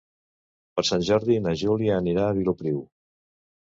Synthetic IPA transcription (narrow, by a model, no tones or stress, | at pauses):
pəɾsanʲʒɔɾðinəʒuliəːniɾaːβilupɾiw